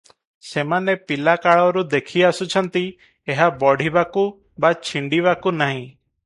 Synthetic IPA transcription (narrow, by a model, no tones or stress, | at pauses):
semanepilakaɭɔɾud̪ekʰiasut͡ʃʰɔnt̪i | eɦabɔɽ̤ibaku | bat͡ʃʰiɳɖiβakunaɦĩ